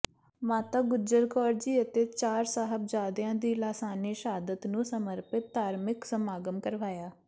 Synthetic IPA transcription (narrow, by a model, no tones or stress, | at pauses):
mãːt̪aːɡʊd͡ʒəɾkɔːɾd͡ʒiːət̪eːt͡ʃaːɾsaːɦəb̚d͡ʒaːd̪jãːd̪iːlaːsaːniːʃɦaːd̪ət̪nũːsəməɾpɪt̪̚d̪aːɾmɪksəmaːɡəmkəɾʋaːjaː